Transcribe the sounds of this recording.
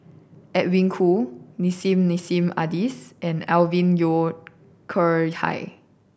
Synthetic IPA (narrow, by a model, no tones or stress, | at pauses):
ʔɛt̚wĩŋkʰunisĩmnisĩma̰disʔɛ̃nɛlvĩnjo | kʰəha̰j